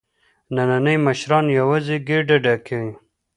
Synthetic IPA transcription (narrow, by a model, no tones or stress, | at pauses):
nananajmaʃɾɑnjawaziɡeɖaɖakʰewĩ